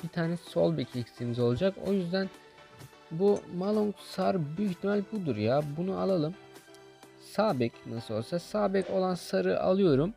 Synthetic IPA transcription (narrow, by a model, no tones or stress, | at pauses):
b̥it̪ʰaːnɛso̞lˠbɛcʰecsimizo̞lˠad͡ʒako̞̰jyzd̪æn | bumalˠuŋksaɾbyyçt̪ʰimɛlʲbud̪uɾjabunualˠalˠɯm | saːbɛcnasɯlolˠsasaːbɛco̞lˠansaɾɯʔa̰lˠɯjo̞ɾum